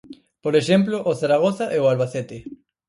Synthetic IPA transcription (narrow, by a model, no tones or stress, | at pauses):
poɾeʃemploʔoθaɾaɣ̞oθaʔeoalβaθet̪e